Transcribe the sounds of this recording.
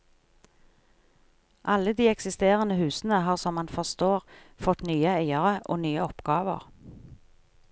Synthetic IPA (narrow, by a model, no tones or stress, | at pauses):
ʔɑləd̪iːɛksɪst̪eːʁənəhʉːsn̩əhɑːʁsɔmːɑnfɔʁst̪oːʁ | fɔt̪nyːəæɪəʁəʔo̰ːnyːəɔpɡ̥ɑːʋə̰ʁ